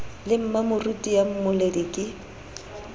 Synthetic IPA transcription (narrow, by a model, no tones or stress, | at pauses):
lɪm̩mamʊrutʼijam̩mʊledikʼɪ